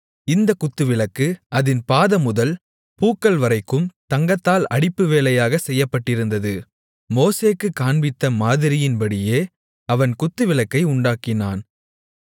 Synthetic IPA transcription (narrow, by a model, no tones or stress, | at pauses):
ɪnd̪ɐkʊt̪ːɯʋɪɭɐkːɯɐðɪnpaːðɐmʊðɐl | puːkːɐlʋɐɾɐɪkːɯmt̪ɐŋɡɐt̪ːaːlɐɽɪpːɯʋeːlɐjaːɣɐsɛjːɐpːɐʈːɪɾɯnd̪ɐðɯ | moːseːkːɯkːaːɳbɪt̪ːɐmaːðɪɾɪjɪnpɐɽɪjeː | ɐʋɐnkʊt̪ːɯʋɪɭɐkːɐɪʊɳɖaːkɪnaːn